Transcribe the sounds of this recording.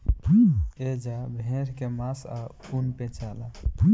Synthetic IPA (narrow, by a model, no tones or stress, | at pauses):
bʱed͡ʒabʱẽɾkemãsa̰unpet͡ʃala